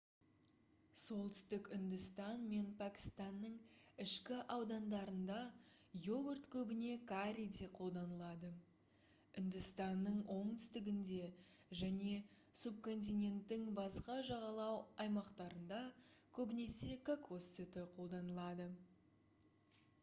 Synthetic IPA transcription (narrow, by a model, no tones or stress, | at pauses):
so̞lˠt̪ʰʏ̥st̪ɪkʲʏnd̪ʏst̪ɑnme̞npʰakʲi̥st̪ɑnːəɴɪʃkʲɪʔɑwd̪ɑnd̪ɑɾənd̪ɑjo̞ɡʊrt̪kʲʰɵbɪne̞kaɾʲid̪eqʰo̞lˠd̪ɑnəlˠɑd̪ə | ʏnd̪ɪst̪ɑnːəɴwʔo̞ɴt̪ʰʏ̥st̪ɪɡʲɪnd̪e̞ʒæne̞ | sub̚ko̞nt̪̬ʲijnʲe̞nt̪ːɪŋbɑsqɑʒɑʁɑlˠɑwɑjmɑqt̪ɑɾənd̪ɑkʲʰɵbɪne̞se̞kakʰosːit̪ɪqʰo̞lˠd̪ɑnəlˠɑd̪ə